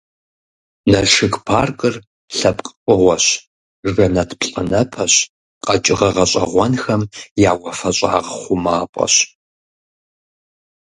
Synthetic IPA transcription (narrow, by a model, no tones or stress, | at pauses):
nɐʂɨkpʰaːrkʼɨr | ɬɐpʼqʼqʼəʁʷɔɕ | ʐɐnɐtʰpɬʼɐnɐpʰɐɕ | qʼɐt͡ʃʼɪʁɐʁɐɕʼɐ̰ʁʷɔnxɐmjaːwɐfɐɕʼa̰ːʁχʷʊmaːpʷʼɐ̰ɕ